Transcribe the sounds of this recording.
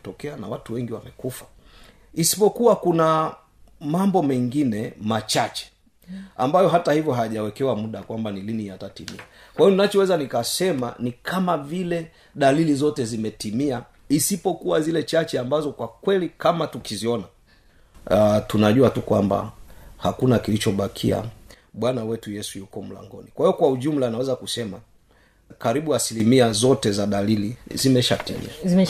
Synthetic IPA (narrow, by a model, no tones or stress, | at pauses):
tɔkɛana̰watuwɛŋɡiwamɛkufḁ | isi̥pɔkuwakuna | mambɔmɛŋɡinɛmat͡ʃat͡ʃɛ̥ | a̰mbajɔɦatahivjɔɦaʄawɛkɛwamuɗakwambanilinijatatimḭakwahijɔninat͡ʃɔwɛzanikasɛma̰nikʰamavilɛ | ɗalilizɔtɛzimɛtimia | isipɔkuwazilɛt͡ʃat͡ʃɛambazɔkwakwɛlikamatukiziɔna | tunaʄuatukwamba̰hakunakilit͡ʃɔɓakʰḭa̰ | ɓwanawɛtujɛsujukɔm̩la̰ŋɡɔ̰nikwaiɔkwauʄum̩lanawɛzakusɛma | kaɾiɓuasilimiazɔtɛzaɗalilizimɛʃatḭmḭa